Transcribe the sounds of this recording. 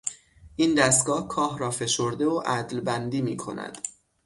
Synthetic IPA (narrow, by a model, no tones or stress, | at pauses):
ʔiːnd̪æst̪̚ɡɒːhkʰɒːhɾɒːfe̞ʃoɾd̪e̞oʔæd̪lbænd̪iːmiːkʰo̞̰næ̰d̪̥